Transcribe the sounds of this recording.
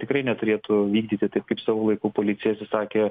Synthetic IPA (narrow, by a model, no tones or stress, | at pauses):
t̪ʲɪkɾɐɪnʲɛt̪ʊɾʲeːt̪ʊʋʲiːɡ̚d̪ʲiːt̪ʲɪt̪ɐɪp̚kɐɪpsɑːʋoːlˠɐɪkuːpoːlʲɪt̪sʲɪjɛsʲɪsɑːkʲeː